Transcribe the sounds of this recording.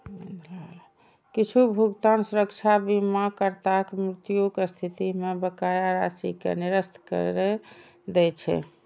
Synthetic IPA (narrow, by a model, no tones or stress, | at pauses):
kit͡ʃʰubʱuɡt̪ansuɾəkt͡ʃʰabimakəɾt̪akmɾit̪ijoɡst̪ʰit̪imebəkajaɾasikḛniɾəst̪ʰkə̰ɾɛ | d̪ɛt͡ʃʰɛ̰